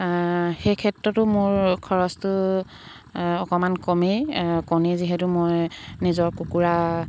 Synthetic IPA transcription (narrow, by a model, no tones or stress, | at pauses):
xejkʰɛtɹɔtʊmʊɹkʰɔɹɔstʊ | ɔkɔmankɔmejkɔmeziɦɛtumojnizɔɹkukuɹa